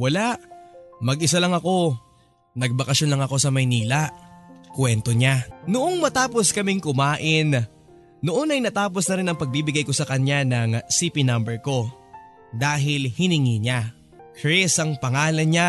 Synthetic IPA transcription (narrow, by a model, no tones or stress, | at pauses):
wɐlaʔmɐɡʔɪsalɐŋɐko̞ | nɐɡ̚bɐkɐʃjonlɐŋɐko̞sɐmɐjniːlaʔkwɛnt̪o̞ɲanʊʔoŋmɐt̪aːpo̞skɐmɪŋkʊmaːʔɪn | noʔonɐjnɐt̪aːp̬o̞snɐɾɪnɐŋpɐɡ̚bibɪɡajko̞sɐkɐɲanɐŋsipinɐmbɛɹko̞ | d̪aːɦɪlhɪnɪŋiɲa | kɹɛsɐŋpɐŋaːlɐnɲa